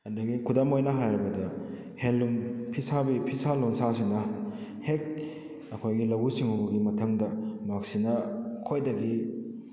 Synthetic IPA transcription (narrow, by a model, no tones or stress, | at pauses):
handɐɡikʰudamojnɐɦajɾɐbɐdɐ | henlumpʰisabipʰisalonsas̬inɐ | hek̚ | ɐkʰojɡilɐwɡusiŋhubɐɡimɐtʰɐŋdɐmak̚sinɐkʰojdɐɡi